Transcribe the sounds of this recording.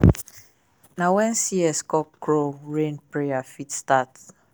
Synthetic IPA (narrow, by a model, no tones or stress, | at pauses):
nawɛ̃nsiɛskɔkːɹoɹẽnpɹeafitstat